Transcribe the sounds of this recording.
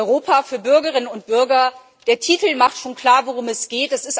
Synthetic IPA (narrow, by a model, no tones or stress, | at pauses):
ʁoːpʰafyːɐbʏɐɡəʁɪnənʊnt̚b̥ʏɐɡɐ | d̥eːɐtʰiːtl̩maχtʃoːnkl̥aːɐvoʁʊmɛsɡ̥eːtɛsɪst